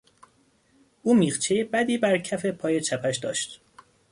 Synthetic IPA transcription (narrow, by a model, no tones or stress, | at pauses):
ʔuːmiːχt͡ʃʰejebæd̪iːbæɾcʰæfe̞pʰɒːje̞t͡ʃʰæpʰæʃd̪ɒ̰ːʃt̪